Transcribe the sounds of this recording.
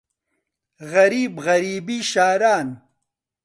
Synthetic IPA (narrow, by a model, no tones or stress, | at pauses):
ɣɐɾiːbɣɐɾiːbiʃaːɾaːn